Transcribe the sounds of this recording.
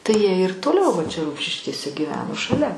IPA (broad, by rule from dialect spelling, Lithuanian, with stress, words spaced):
tɐɪ jiɛ ɪr toːˈlʲɛʊ ʋɐ t͡ʃʲɛ ˈrʊmʲʃʲɪʃʲkʲeːsʲɛ ɡʲiːˈʋʲæːnoː ʃɐˈlʲɛ